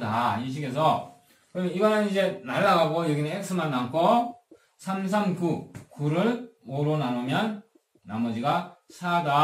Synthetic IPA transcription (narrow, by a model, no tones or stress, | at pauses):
da̰iɕ̬ʰiɡe̞s̬ʰʌ | kɯiɡʌnɯnid͡ʑe̞naɭːaɡaɡojoɡineek̚s͈ʰɯmanːaŋkʰo | sʰamsʰamkukuɾɯɭoɾonanomjʌnː | amʌd͡ʑiɡasʰada